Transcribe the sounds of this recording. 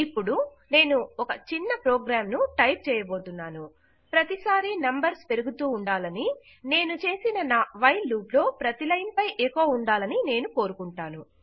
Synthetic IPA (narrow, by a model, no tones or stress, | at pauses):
ipːuɽu | ne̞ːnuɔkɐt͡ʃinːɐpɾɔːɡɾaːmnuʈɐjp̚t͡ʃɛːjɐbo̞ːt̪unːaːnu | pɾɐt̪isaːɾinɐmbɐɾspe̞ɾuɡut̪uːɳɖaːlɐni | ne̞ːnut͡ʃe̞ːsinɐnaːʋɐjluːplo̞ːpɾɐt̪ilɐjnpɐjʔekoːuɳɖaːlɐnine̞ːnuko̞ːɾukuɳʈaːnu